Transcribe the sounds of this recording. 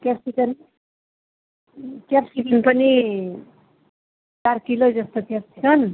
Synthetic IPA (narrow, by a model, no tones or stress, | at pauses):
kjasikʌn | kjarsikʌnpʌni | tarkilod͡zʌst̪okjasikʌn